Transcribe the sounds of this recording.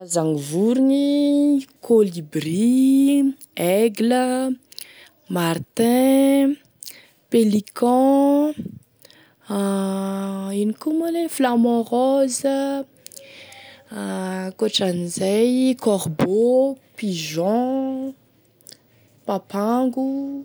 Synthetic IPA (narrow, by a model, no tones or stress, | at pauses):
azaŋivuɾiɲi | kʰolibri | ɛɡlə | mart̪ɛ̃ | pelikɑ̃ | inikumaleflamɔ̃ʁɔzə | koʈ͡ʂanizajkɔʁbopiʒɔ̃ | papaŋɡu